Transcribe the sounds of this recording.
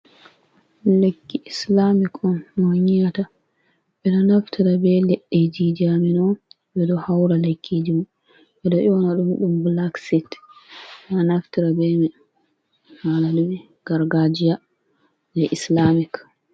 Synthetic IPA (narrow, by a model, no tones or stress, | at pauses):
lekːiʔislamikɔnnoɲijata | ɓɛnɔnaftʰiɾabɛlɛɗːɛd͡ʒid͡ʒaminɔ | ɓɛɗɔhawɾalekʰːid͡ʒimu | ɓɛdɔʔiɔnaɗumɗumblaksit | ɛnanaftiɾabɛmɛ | hanaɗumɛ | ɡ̥aɾɡad͡ʒija | nɛʔislamik